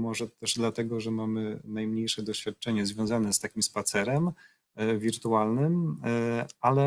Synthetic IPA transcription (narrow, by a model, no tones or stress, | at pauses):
mɔʐɛt̪ɛʐd̪lat̪ɛɡɔʐɛmamɘnajmɲejʂɛd̪ɔɕfʲjat̪̚t͡ʂɛɲɛzvʲjɔ̃w̃zanɛst̪akʲimspat̪sɛɾɛm | vʲiɾt̪ualnɘm | alɛ